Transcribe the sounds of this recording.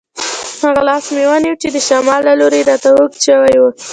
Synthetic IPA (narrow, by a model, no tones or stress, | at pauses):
haɣalɑsmewaniwt͡ʃed̪əʃɑmɑlːaloɾeɾɑt̪awokʃəwajwə